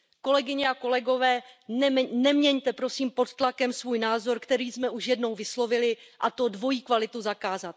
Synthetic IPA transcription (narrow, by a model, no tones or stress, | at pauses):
ko̞lɛɡɪɲɛako̞lɛɡo̞vɛː | nɛmɲɛɲt̪ɛpɾo̞siːmpo̞t̪t̪lakɛmsvuːjnaːzo̞ɾkt̪ɛɾiːzmɛuʃjɛdno̞wvɪslo̞vɪlɪʔat̪odvo̞jiːkvalɪt̪uzakaːzat̪̚